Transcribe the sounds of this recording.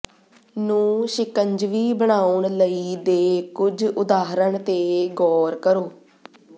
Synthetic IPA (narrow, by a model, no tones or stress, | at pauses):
nũːʃɪkəɲd͡ʒʋiːbəɽ̃aːʊɳləiːd̪eːkʊd͡ʒʊd̪aːɦɾəɳt̪eːɡɔːɾkəɾoː